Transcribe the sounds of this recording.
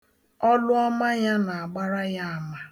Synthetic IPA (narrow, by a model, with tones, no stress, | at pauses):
ɔ˦lʊ˦ɔ˦ma˦ja˦na˨a˨ɡ͡ba˦ɾa˦ja˦a˨ma˨